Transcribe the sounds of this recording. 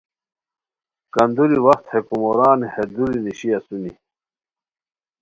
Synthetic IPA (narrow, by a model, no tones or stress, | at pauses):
kɐnd̪uɾiwɐxt̪hekumoɾaːnihed̪uɾiniɕiɐsuni